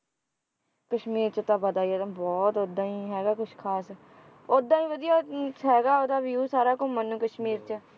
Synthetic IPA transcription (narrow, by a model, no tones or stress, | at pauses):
kəʃmiːɾt͡ʃət̪ãːbəd̪aːiat̪ãbɔːt̪oːd̪ãːiːɦɛːɡaːkʊt͡ʃʰkʰaːs | oːd̪ãːĩːʋəd̪ijaːɦɛːɡaːoːd̪aːʋiuːsaːɾaːkʊmənũːkəʃmiːɾt͡ʃə